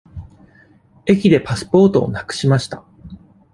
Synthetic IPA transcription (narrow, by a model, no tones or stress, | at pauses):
e̞k̬ʲid̪e̞pasɨ̥po̞ːt̪o̞̰ːnakɯ̟̥ɕimaɕi̥t̪a